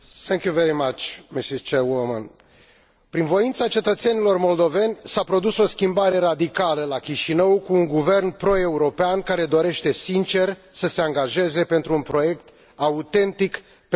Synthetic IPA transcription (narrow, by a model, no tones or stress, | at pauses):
θɛ̃ŋkjuveɾimat͡ʃmisist͡ʃewoma̰n | pɾinvo̞int̪sat͡ʃe̞t̪ət̪se̞nilo̞rmo̞ld̪o̞ve̞nʲsapɾo̞d̪uso̞skʲimbaɾe̞ɾad̪ikaləlakʲiʃinəwkuːŋɡuve̞rnpɾo̞e̞uɾo̞peankaɾe̞d̪o̞ɾe̞ʃt̪e̞sint͡ʃe̞rsəse̞aŋɡaʒe̞ze̞pent̪ɾuːnpɾo̞je̞kt̪ | aut̪e̞nt̪ik | p